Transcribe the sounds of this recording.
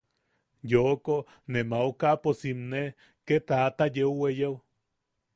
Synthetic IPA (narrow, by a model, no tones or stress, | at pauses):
joko | nemaukaposimne | ket̪at̪ajewwejew